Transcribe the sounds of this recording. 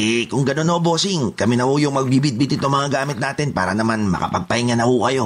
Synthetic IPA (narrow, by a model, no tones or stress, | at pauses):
ʔɛkʊŋɡɐno̞nhobo̞ːsɪŋkɐmɪnɐhojʊŋmɐɡ̚bibɪt̪̚bɪt̪ɪt̪oŋmɐŋaɡaːmɪt̪̚naːt̪ɪnpa̰ːɾɐnɐmanmɐ̰kɐ̰pɐɡ̚pɐhiŋɐnɐhokɐjo̞